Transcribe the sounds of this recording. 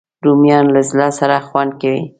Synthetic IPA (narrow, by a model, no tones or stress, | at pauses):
dumjɑnlazlɑsaɾaxwand̪̚kawi